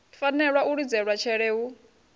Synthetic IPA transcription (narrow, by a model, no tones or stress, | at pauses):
fanɛɺwauɺid͡zɛɺwat͡ʃʰɛɺɛu